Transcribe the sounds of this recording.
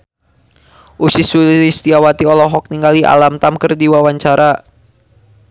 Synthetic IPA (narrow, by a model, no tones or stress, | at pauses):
ʔusisuist̪iawat̪iɔlɔɦɔk̚niŋɡaliʔa̰lamt̪amkərdiwawaɲt͡ʃaɾa